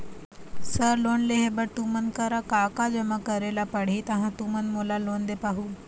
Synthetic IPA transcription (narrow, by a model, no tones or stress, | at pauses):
səɾlonleɦebəɽt̪umənkəɾakakad͡ʑəmakəɾelapəɽ̤iːt̪əɦãt̪umənmolalond̪epaɦuː